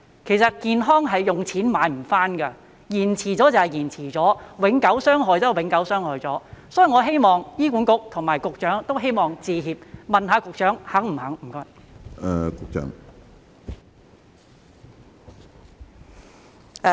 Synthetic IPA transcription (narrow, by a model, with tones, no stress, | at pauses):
kʰe˨˩jsɐ˨t̚kiː˧nɦɔː˥ŋɦɐ˨jːʊ˨ŋt͡sʰiː˨˥nmaː˨˧jm̩˨˩faː˥nɡɐ˧ | jiː˨˩nt͡sʰiː˨˩t͡sɔː˨˥t͡sɐ˨whɐ˨jiː˨˩nt͡sʰiː˨˩t͡sɔː˨˥wɪ˨˥ŋkɐ˨˥wsœː˥ŋɦɔː˨˧jt͡sɐ˥wɪ˨˧˥ŋkɐ˨˥wsœː˥ŋhɔː˨jt͡sɔː˨˥sɔː˨˥ji˨˩ŋɔː˨˧ɦe˥jmɔː˨ŋjiː˥kuː˨˥nkʊ˨˥k̚t̪ʰʊ˨˩ŋmaː˨˩jkʊ˨k̚t͡ʃœː˨˥ŋt̪o˥wɦe˥jmɔː˨˩ŋt͡siː˧ɦiː˨p̚mɐ˨nɦaː˨˧kʊ˨k̚t͡ʃœː˨˥ŋhɐ˨˥ŋm̩˨˩hɐ˨˥ŋm̩˨˩kɔː˧˩ɛ˨˧kʊ˨k̚t͡ʃœ̰ː˨˥ŋ